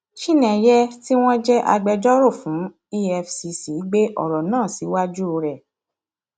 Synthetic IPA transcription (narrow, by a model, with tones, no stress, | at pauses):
ʃi˦nɛ̃˨jɛ˦ti˦w̃ɔ̃˦d͡ʒɛ˦ʔa̰˧ɡ͡bɛ˧d͡ʒɔ˦ɾo˦˨fũ˨˦ | i˦ɛ˧fsi˧si˨˦ɡ͡be˦ʔɔ̰˦˨ɾɔ˨nãː˦˨si˨˦wa˦d͡ʒu˦o˧ɾɛ˦˨